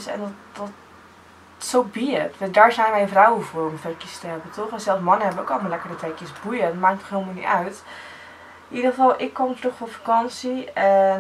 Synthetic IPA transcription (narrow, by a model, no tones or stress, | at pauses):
sɛ̰ndɔtdɔt | sowbiətʋdaːɹzɛjnʋɛjəvrawəvʊːrɔmfɛkjəstəɦɛbətɔχɛzɛlˠsmɑnəɦɛbənowkɔlˠmɑlɛkəɹdətɛjkjəsbujəmaːktɔχɦeɪlˠmanḭœɥt | nidəχəvɑlˠʔɪkːɔmtrøχfɔfakɑnsiɛn